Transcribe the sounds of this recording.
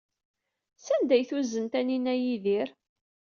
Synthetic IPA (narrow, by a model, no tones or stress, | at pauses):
sænd̪æjθuzənt̪æninæjiðiɾ